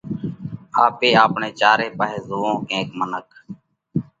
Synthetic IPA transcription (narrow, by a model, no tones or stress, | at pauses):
aːpeːaːpɳeːt͡ʃaːɾeːpaːɦeːzoːõːkẽːkmənək